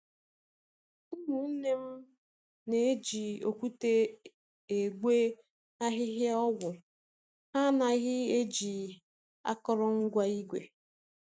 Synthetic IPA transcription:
mu˨˦ne˦m̩˦ | ne˨e˦d͡ʒi˨o̰˨kʷu˦te˦ | e˨ɡʷe˦ | a˦ɦɪ˦ɦja˦ɔ˦ɡʷʊ˨ | ha˦na˨ɣɪ˦e˦d͡ʒi˨ | a̰˦kɔ˦ɾɔ˦ŋ̩˦ɡʷa˦i˦ɡʷḛ˨

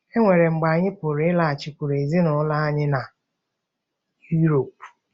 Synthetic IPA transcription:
e˦ŋʷe˨ɾe˨ŋ͡m̩˨ɡ͡ba˨a˨ɲɪ˦pʊ˨ɾɪ˦la˨a˨t͡ʃi˨kʷu˨ɾe˨zi˦nʊ˨˦la˦a˦ɲɪ˦na˨ | ju˦ɾo˨p

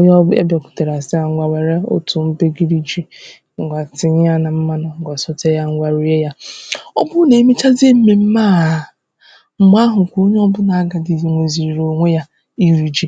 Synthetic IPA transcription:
o˦ɲ˦ɔ˦ḛ˦be˨kʷʊ̥˨te˨ɾa˨sɪ˦a˨ŋ̩˦ɡʷa˨wa˨ɾe˦o̰˦tʊ˨m̩˦be˦ɡi˦ɾi˦d͡ʒi˦ | ŋ̩˨ɡʷa˨tɪ˨ɲɪ˦ja˦na˨m̩˦ma˦nɔ˨ɡa˨sɔ˦te˦ja˦ŋ̩˦ɡʷa˨ɾu˦je˦ja˦ɔ˦bʊ˦ne˨˦mi˦t͡ʃa˦ze˦m̩˦me˨m̩˦maː˦˨˦ | ŋ͡m̩˨m˦a˦ɦʊ˨kʷo˦ɲ˦ɔ˦bʊ˦na˨a˦ɡa˨di˨ŋʷe˨zi˨ɾi˨ɾo˨ŋʷe˦ja˦ | i˦ɾi˨d͡ʒi˨

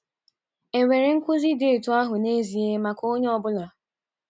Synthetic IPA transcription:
e˨ŋʷe˨ɾe˨ŋ̩˦kʷʊ˦zi˦de˦˨tu˦a˦ɦʊ˨ne˦zi˨e˦ma˨ko˦ɲe˦ɔ˨bʊ˦la˨

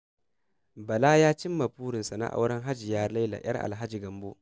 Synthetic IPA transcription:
bɐ˨la˦jaː˦t͡ʃɪ˦mːa˨puː˦ɾɪ˨nsa˨na̰˦˨ʔa̰˦wɽɐ˦ŋɦa˦d͡ʒi˨jaː˦ɾla˦jla̰˨jɐ̰˦rʔa̰˨lɦa˦d͡ʒi˨ɡɐ˨mbo̰˦ʔ

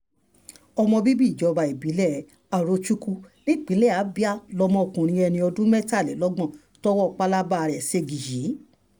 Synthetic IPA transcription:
ɔ˧mɔ̃˧bi˦bi˦˨d͡ʒɔ˨˦˧ba˧e˨bi˨˦lɛ˦˨ | a˨ɾo˧t͡ʃu˦ku˦li˦˨k͡pĩ˨˦lɛ˦˨a˨˦bi˦a˦lɔ˧mɔ̃˧o˧kũ˨ɾ̃ĩ˧ɛ˧nĩ˧ɔ˧dũ˦mɛ˦ta˦˨lɛ˨˦lɔ˦ɡ͡bɔ̃˦˨ | tɔ˦wɔ˦˧k͡pa˦la˦ba˦˨˧ɾɛ˨se˧ɡi˨ji˨˦

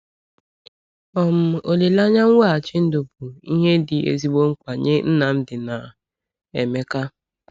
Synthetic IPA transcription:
ɔ˨m̩˦˨o˨le˨la˦ɲa˦ŋ̩˦we˦a˨t͡ʃɪ˦n̩˦do˨b̚u˨i˦ɦe˦dɪ˨ḛ˨zi˦ɡ͡bo˦ŋ̩˦kʷa˨ɲḛ˦n̩˦na˨n̩˦dɪ˨na˨ | e˨me˦ka˦

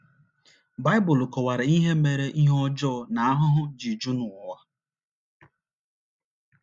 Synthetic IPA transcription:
ba˦ɪ˦bʊ˨lkɔ˨wa˨ɾɪ˨i˦ɦe˦me˨ɾe˦ʔi˦ɦɔ˦d͡ʒɔ˦˨na˨a˦ɦʊ˦ɦʊ˦d͡ʒi˨d͡ʒu˦nu˨wa˦

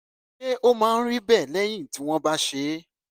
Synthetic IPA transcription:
e˦ʔo˦mãː˦n̩˦ɾi˦bɛ˦˨lɛ˦j̃ĩ˦˨ti˨˦w̃ɔ̃˦ba˦ʃe˨˦

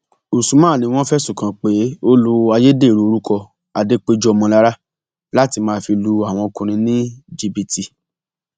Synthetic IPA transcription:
o˨su˨˦mãː˦˨nĩ˧w̃ɔ̃˦fɛ˦sũ˨kã˧k͡pe˨˦o˦lo˧a˧je˦de˦˨ɾu˨˦o˧ɾu˦kɔ˧ | a˨de˦k͡pe˦d͡ʒɔ˦ɔ˧mɔ̃˧la˦ɾa˦ | la˦ti˧mãː˦˨fi˧lu˧a˦˨w̃ɔ̃˧o˧kũ˧ɾ̃ĩ˧nĩ˦d͡ʒi˧bi˧ti˧

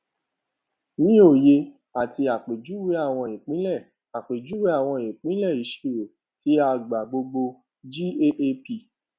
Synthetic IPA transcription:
nĩ˦o˦˨je˧ | a˨tʰi˧a˨k͡pe˨d͡ʒu˨˦we˨˦a˦˨w̃ɔ̃˧ĩ˨k͡pĩ˦lɛ˦˨ | a˨k͡pe˨d͡ʒu˦we˦a˦˨w̃ɔ̃˧ẽ˨k͡pĩ˨˦lɛ˦˨i˨˦ʃe˨wo˨ | ti˨˦a˧˨ɡ͡ba˨ɡ͡bo˧ɡ͡bo˧ | d͡ʒi˦e˦ʔe˦pi˧˨

